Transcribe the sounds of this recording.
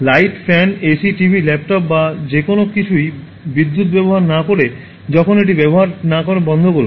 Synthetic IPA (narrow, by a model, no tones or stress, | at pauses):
lajʈfʰɛnesiʈibʱilɛp̚ʈɔp̚bad͡ʑekonokit͡ɕʰuj | bid̪ːut̪bɛboɦaɾnakoɾe | d͡ʑɔkʰoneʈ̬ibɛboɦaɾnakoɾebɔnd̪ʱokolo